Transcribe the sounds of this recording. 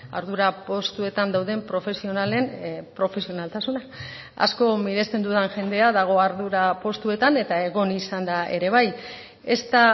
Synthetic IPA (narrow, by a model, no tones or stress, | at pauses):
a̰ɾðuɾapo̞st̪ue̞t̪and̪awð̞e̞mpɾo̞fe̞sio̞nale̞npɾo̞fe̞sio̞nalt̪asuna | a̰sko̞miɾe̞st̪e̞nd̪uðanʝe̞nd̪e̞aðaɣ̞o̞aɾðuɾapo̞st̪ue̞t̪ane̞t̪ae̞ɣ̞o̞nisand̪ae̞ɾe̞β̞aj | e̞st̪a